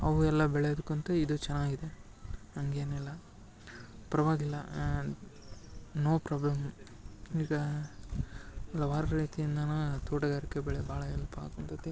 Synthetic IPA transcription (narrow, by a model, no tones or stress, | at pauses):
ɐʋuɛlːɐbɛɭejod̪ukːuɐnt̪ɐid̪ut͡ʃɛnːaːɡid̪e | ɐŋɡeːnilːɐ | pɐɾɐʋaːɡilːɐ̰ | noːpɾaːblɐm | iːɡɐ | lɐʋaːɾɐɾiːt̪ijind̪ɐnɐt̪oːʈɐɡaːɾikːebɛɭebʱaːɭɐɛlpɐa̰ːkunt̪ɐt̪ːe